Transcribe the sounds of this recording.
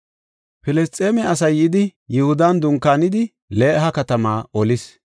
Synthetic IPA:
pɪlɛst̪ʼːeːmɛɐs̬ɐjʔɪd̪ɪjɪhʊd̪and̪ʊŋkːaːnɪd̪ɪ | le̞ːʔɦɐkɐt̪ɐmaːɔlɪs

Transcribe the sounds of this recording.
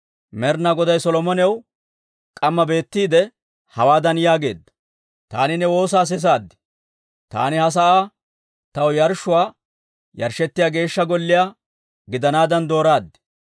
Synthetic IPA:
mɛɾnaɡɔd̪ɐjsɔlɔmɔnɛw | kʼɐmːɐbe̞ːt̪ːiːd̪ɛ | hɐwaːd̪ɐnjaːɡe̞ːd̪ːɐ̥ | t̪a̰ːnɪnɛwo̞ːs̬aːs̬ɪs̬aːd̪ːɪ̥ | t̪a̰ːnɪhɐs̬ɐʔaː | t̪ɐwjɐɾʃːʊwaː | jɐɾʃɛt̪ːɪjaːɡe̞ːʃːɐɡɔlːɪjaː | ɡɪd̪ɐnaːd̪ɐnd̪o̞ːɾaːd̪ːɛ̥

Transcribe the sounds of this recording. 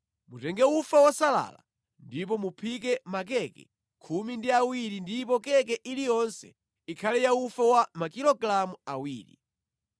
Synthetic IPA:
mutɛŋɡɛufawasala̰la | ndip̬ɔmupʰik̬ɛmak̬ɛkɛ̰ | kʰumindiawiɾindip̬ɔkɛkɛʔilijɔnsɛ̰ | ikʰalɛjaufawamakilɔɡlamuawiːɾḭ

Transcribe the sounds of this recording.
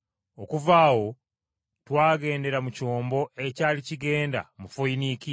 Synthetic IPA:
o̞kuvaːwo̞ | twaːɡe̞ːnde̞ɾamuco̞ːmbo̞e̞caːliciɡe̞ːnda̰mufoiniki

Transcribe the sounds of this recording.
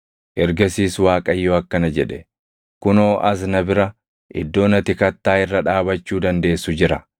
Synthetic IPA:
ʔɛɾɡɐsiːswaːkʼɐjːoːɐkːɐnɐd͡ʒɛᶑɛ | kʊno̞ːʔɐs̬nɐbɪɾɐ | ʔɪ̰d̪ːo̞ːnɐt̪ɪkɐt̪ːaːɪrːɐᶑaːbɐt͡ʃːuːd̪ɐnd̪e̞ːsːʊd͡ʒɪɾɐ

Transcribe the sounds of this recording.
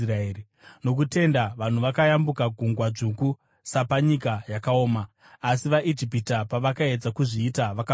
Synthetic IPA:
raeːi | no̞k̬ute̞ndaʋan̤uʋakajambukaɡʱuŋɡwaʐuku | sapaɲikajakao̞ːmaː | siʋaʔid͡ʒipitapaʋakae̞d͡zakuʐiːtaʋaka

